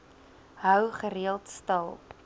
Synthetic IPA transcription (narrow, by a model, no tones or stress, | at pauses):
ɦœwχəɾiəlˠtstɐlˠp